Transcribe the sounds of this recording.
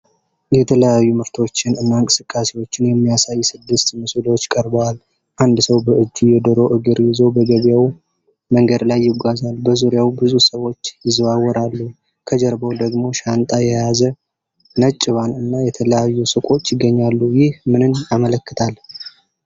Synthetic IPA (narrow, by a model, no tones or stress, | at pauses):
jɛt̪ʰələjajːumɨɾt̪ʰo̞t͡ʃːɪnɨnːaɨŋkʼɨ̥sɨkʼːasewo̞t͡ʃːɪnjɛmːijasajːsɨd̪ːɨst̪mɨsɨlwot͡ʃːkʼəɾbəwal | ʔand̪səwbəʔɨd͡ʒːijɛd̪əɾo̞ʔɨɡɨɾjɪzo̞bəɡəβjaw | məŋɡəd̪lajːɪɡʷazalbəzuɾjawbɨzusəwo̞t͡ʃːjɪzβawːɔɾalːu | kʰəd͡ʒəɾbəwd̪əɡmo̞ʃant̪ʼajɛjazə | nət͡ʃʼːɪβanɨnːajɛt̪ʰələjajːusɨkʼo̞t͡ʃːjɪɡːəɲːalːujɪhmɨnɨnamələkːɨt̪ʰal